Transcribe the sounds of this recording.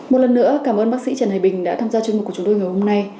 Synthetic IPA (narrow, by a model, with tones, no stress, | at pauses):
mo˨˩t̚lə˨˩nːɨ̰˧˥əkaː˧˩mʔəː˧nɓaː˦˥k̚sḭ˧˥t͡ɕəː˨˧˩nhaː˨˩jɓï˨˩ŋ̟ɗa̰ː˧˥t̪ʰaː˧mzaː˧t͡ɕwi˧ŋm̩̚˨˩kːu˧˩t͡ɕŋ͡mt̪o˧jŋa˨˩jho˧mna˧j